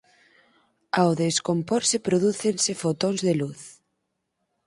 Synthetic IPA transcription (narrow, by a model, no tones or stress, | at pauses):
awðeskompoɾsepɾoðuθensefot̪onzðeluθ